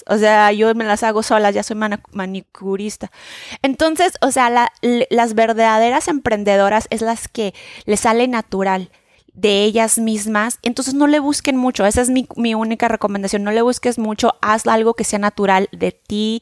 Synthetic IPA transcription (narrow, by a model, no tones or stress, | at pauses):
o̰se̞aʝo̞me̞lasaɣo̞so̞lasʝaso̞jmanmanikuɾist̪ae̞nt̪o̞nse̞so̞sealalazβe̞ɾðað̞e̞ɾase̞mpɾe̞nd̪e̞ð̞o̞ɾase̞zlaske̞le̞sale̞nat̪uɾal | d̪e̞e̞ʝazmizmasent̪onse̞zno̞le̞β̞uske̞nmut͡ʃo̞e̞sae̞zmimiunikare̞komẽnd̪asjo̞nːo̞le̞β̞uske̞zmut͡ʃo̞asalɣo̞kese̞anat̪uɾald̪e̞t̪i